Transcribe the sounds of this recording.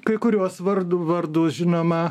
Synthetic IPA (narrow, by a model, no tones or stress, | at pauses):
kɐɪkʊɾʲuɔsʋɐɾd̪ʊʋɐɾd̪ʊːsʒʲɪnoːmɐ